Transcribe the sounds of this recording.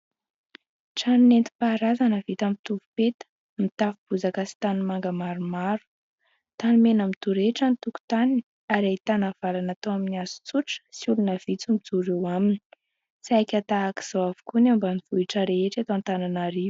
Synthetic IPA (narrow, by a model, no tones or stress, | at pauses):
ʈ͡ʂannent̪i̥paɾazanəvit̪amit̪uvupet̪ə̥ | mit̪afub̥uzakasi̥t̪animaŋɡəmaɾumaɾu̥ | t̪animenamit̪uɾeʈ͡ʂant̪uku̥t̪anini | aɾeit̪anav̥alanat̪oaminiazu̥t͡suʈ͡ʂə̥siulunəv̥it͡sumid͡zuɾewamini̥ | sajkʲat̪aaki̥z̥oavu̥kuneambanivuiʈ͡ʂəɾeeʈ͡ʂat̪oant̪ananaɾiv